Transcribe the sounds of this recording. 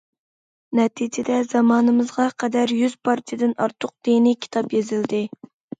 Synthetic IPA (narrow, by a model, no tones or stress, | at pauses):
nɛt̪ʰid͡ʒɪd̪ɛzɑmɑːnɨmɨzʁɑqʰɛd̪æɾjyz̥pʰɑɾt̪ʰijɪd̪ɪnɑɾt̪ʰːʊq̚d̪̥enɪkʲʰi̥t̪ʰɑpjezɪld̪ɪ